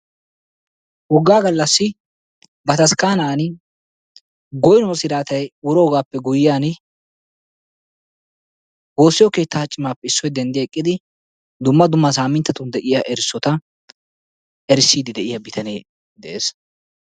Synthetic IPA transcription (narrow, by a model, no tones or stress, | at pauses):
wɔɡːaːɡɐlːɐsːɪ | bɐt̪ɐskaːnaːn | ɡɔjɪnɔsɪɾaːt̪ɐjʊɾoːɡaːpːɛɡʊjɪjaːnɪ | ɡo̞ːsːɪjɔke̞ːt̪ːaːt͡ʃʼːɪmaːpːɛɪsːɔjd̪ɛnd̪ɪjɐɛkʼːɪd̪ɪ | d̪ʊmːɐd̪ʊmːɐs̬aːmɪnt̪ːɐt̪ʊnd̪ɛʔɪjaʔɛɾɪsːɔt̪ɐ | ɛɾɪsːiːd̪ɪd̪ɛʔɪjɐbɪt̪ɐnḛ | d̪ɛʔeːs